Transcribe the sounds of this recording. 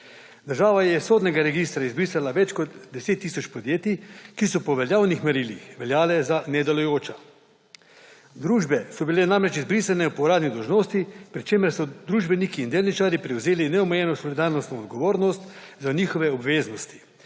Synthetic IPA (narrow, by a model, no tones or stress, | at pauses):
d̪əɾʒaːʋajɛsoːd̪nɛɡaɾɛɡist̪ɾaizbɾiːsalaʋɛt͡ʃkɔt̪d̪ɛseːt̪ːiːsɔt͡ʃpɔd̪jeːt̪ikisɔpɔʋɛljaːwnixmɛɾilixʋɛljaːlɛzanɛd̪ɛlujoːt͡ʃa | d̪ɾuːʒbɛsɔbilɛnamɾɛt͡ʃizbɾiːsanɛupɔɾaːd̪nid̪ɔwʒnoːst̪ipɾit͡ʃeːməɾsɔd̪ɾuːʒbɛnikiːnd̪eːlnit͡ʃaːɾipɾɛwzeːlinɛɔmɛjɛnɔsɔlid̪aɾnɔst̪nɔɔd̪ɡɔʋoːɾnɔst̪zaniːxɔʋɛɔbʋeːznɔst̪i̥